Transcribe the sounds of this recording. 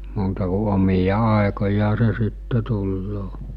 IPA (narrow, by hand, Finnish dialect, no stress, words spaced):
muːtɑ ku omijɑ ɑˑekojɑː se sitːe tulːoː